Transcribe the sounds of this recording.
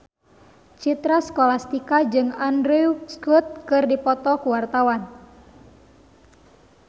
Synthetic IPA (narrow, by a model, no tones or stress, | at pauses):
t͡ʃit̪ɾaskɔlast̪ikad͡ʒɨŋandɾuuskut̪̚kɨrdipɔt̪ɔkuwart̪awan